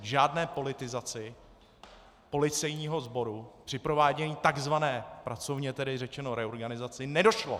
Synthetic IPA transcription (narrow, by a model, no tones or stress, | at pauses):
ʒaːdnɛːpo̞lɪt̪ɪzat͡sɪ | po̞lɪt͡sɛjɲiːɦo̞zbo̞ɾupr̥ɪpɾo̞vaːɟɛɲiːt̪aɡzvanɛːpɾat͡so̞vɲɛt̪ɛdɪrɛt͡ʃɛno̞ɾɛo̞ɾɡanɪzat͡sɪnɛdo̞ʃlo̞̰